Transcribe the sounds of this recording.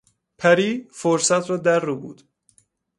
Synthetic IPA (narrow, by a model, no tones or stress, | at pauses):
pʰæɾiːfoɾsæt̪ʰrɒːd̪æɾːubṵːd̪̥